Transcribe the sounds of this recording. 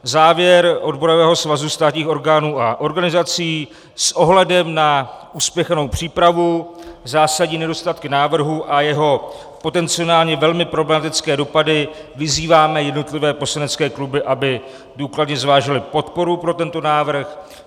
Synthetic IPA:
zaːvjɛɾʔo̞dbo̞ɾovɛːɦo̞svazust̪aːt̪ɲiːxo̞ɾɡaːnuːʔaʔo̞ɾɡanɪzat͡siː | sʔo̞ɦlɛdɛmnaʔuːspjɛxno̞wpr̝̥iːpɾavuzaːsaɟɲiːnɛdo̞st̪at̪kɪnaːvr̩ɦuʔajɛɦo̞ | po̞t̪ɛnt͡sɪo̞naːlɲɛvɛlmɪpɾo̞blɛmat̪ɪt͡skɛːdo̞padɪ | vɪziːvaːmɛjɛdno̞t̪lɪvɛːpo̞slanɛt͡skɛːklubɪʔabɪ | duːkladɲɛzvaːʒɪlɪpo̞t̪po̞ɾupɾo̞t̪ɛnt̪o̞naːvr̩x

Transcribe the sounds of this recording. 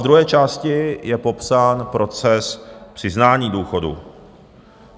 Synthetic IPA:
d̪ɾuɦɛːt͡ʃaːscɪjɛpo̞psaːnpɾʔo̞t͡sɛspr̝̥ɪznaːɲiːduːxo̞dṵ

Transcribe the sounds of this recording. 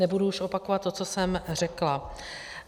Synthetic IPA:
nɛbuduuʃo̞pako̞vat̪ːo̞t͡so̞sɛmr̝ɛkla

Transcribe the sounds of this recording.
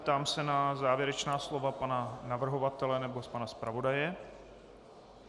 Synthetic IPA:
pt̪aːmsɛnazaːvjɛɾɛt͡ʃnaːslo̞vapananavr̩ɦo̞vat̪ɛlɛnɛbo̞spanaspɾavo̞dajɛ

